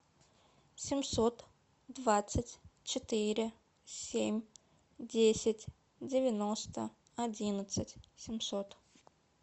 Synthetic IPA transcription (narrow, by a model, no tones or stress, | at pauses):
sʲɪmʲsot̪ | d̪vat̪sɨtʲt͡ɕɪt̪ɨɾʲɪ | sʲemʲ | dʲesʲɪtʲ | dʲɪvʲɪnost̪ə | ɐdʲinət̪sɨtʲsʲɪmsot̪